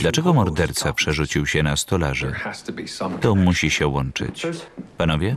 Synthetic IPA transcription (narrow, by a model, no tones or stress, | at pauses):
d̪lat͡ʂɛɡɔmɔɾd̪ɛɾt̪sapʂɛʐut͡ɕiwɕɛnast̪ɔlaʐɨ̰hstʰəbit̪ɔmuɕiɕɛwɔnt͡ʂɘ̰t͡ɕpanɔvʲjɛ